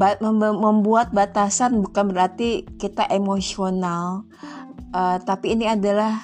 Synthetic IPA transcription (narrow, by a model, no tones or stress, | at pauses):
baməməmbuat̪̚bat̪asanbukanbəɾart̪ikit̪aʔemosional | ʔət̪apiːniadalah